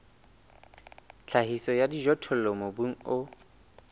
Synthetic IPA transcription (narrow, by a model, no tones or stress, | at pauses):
t͡ɬʰahisɔjadiʒɔtʰɔl̩lɔmobuŋ̩ʊ